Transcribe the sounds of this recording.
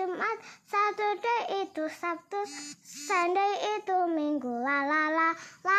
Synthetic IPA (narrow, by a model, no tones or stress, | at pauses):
umat̪̚sat̪uɖ̪əjid̪̥usap̚t̪usaɳɖəjit̪umiŋɡulalalala